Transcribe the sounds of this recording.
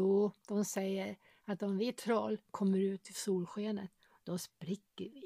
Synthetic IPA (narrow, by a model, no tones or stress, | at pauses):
uːd̪̥ɔmsɛjːəɾ | at̪ɔmvɪt̪ʰɾɑːlkʰɔmːəɾʉ̟ːt̪ʰːɪlsuːlɧeːnət̪ | d̪̥ɔspɾɪkːəɾvɪ